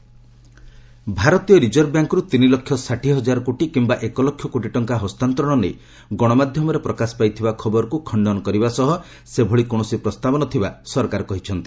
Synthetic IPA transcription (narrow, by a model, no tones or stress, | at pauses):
bʱaɾɔt̪ijɔɾid͡ʒɔɾbjaŋkɔɾut̪inilɔkʰːjɔsaʈiɦɔd͡ʒaɾɔkoʈikimbaʔekɔlɔkʰːjɔkoʈiʈɔŋkaɦɔst̪ant̪ɾɔɽ̃ɔnḛj | ɡɔɽ̃ɔmad̪ʱjɔmɔɾepɾɔkasɔ̥pajt̪ʰibakʰɔbɔɾɔkukʰɔɳɖɔnɔkɔɾibasɔɦɔ | sebʱɔɭikõɔsipɾɔst̪abɔnɔt̪ʰibasɔɾkaɾɔkɔɦit͡ʃʰɔnt̪i̥